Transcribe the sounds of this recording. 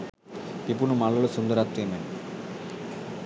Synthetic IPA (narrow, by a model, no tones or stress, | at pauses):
pip̬unumɐɭːɐlusund̪ɐɾaːt̪ɾimen